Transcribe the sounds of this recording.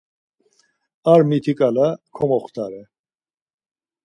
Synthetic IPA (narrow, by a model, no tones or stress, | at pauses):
aɾmit̪ʰikʼalakʰɔmɔχt̪ʰʼaɾɛ